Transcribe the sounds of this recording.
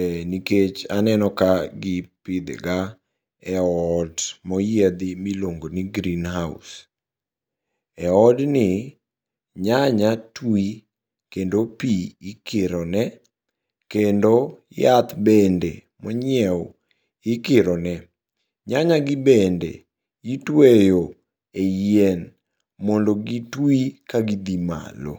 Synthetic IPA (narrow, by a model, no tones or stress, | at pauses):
ɛniket͡ʃanɛnɔkaɡɪpɪd̪̰ɡa | ɛɔdmɔjed̪ɪmiloŋɡoniɡɾinhaʊ̰s | ɛɔdnɪ | ɲaɲatwi | kendopiɪkɪɾɔnɛ | kendojat̪bɛndḛ | mɔɲɛw | ɪkɪɾɔnɛ | ɲaɲaɡɪbɛndḛ | itwejo | ejɛn | mɔndoɡitwikaɡid̪ima̰lo̰